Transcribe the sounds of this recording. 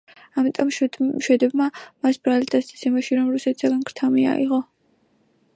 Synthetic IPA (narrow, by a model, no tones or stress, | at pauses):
amit̪ʼɔmʃʃwɛd̪ɛbmamasb̥ɾalid̪ʼat̪st̪ʰitsʰɛmaʃiɾɔmɾusɛt̪ʰi̥saɡankɾt̪ʰamia̰ḭʁɔ